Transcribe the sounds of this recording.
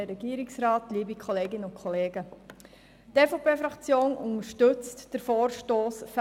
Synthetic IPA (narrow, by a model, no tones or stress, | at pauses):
əɾɛɡ̥iəɾɪksɾɑːtliːbikχɔleːɡɪnəʊnkʰχɔleːɡə | teːfopʰeːfɾɑkt͡sjoːnʔʊ̰ŋəɾʃtɵt͡std̥əɾfɔːɾʃtoːsf